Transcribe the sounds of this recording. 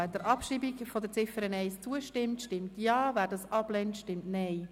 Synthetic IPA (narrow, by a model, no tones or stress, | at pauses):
ɛdəɾʔɑpʃiːbikfɔd̪əɾt͡sɪfəɾənɛɪst͡suəʃtɪmtʃtɪmtjɑːvæːɾdɑsɑb̥lɛntʃtɪmtnɛɪ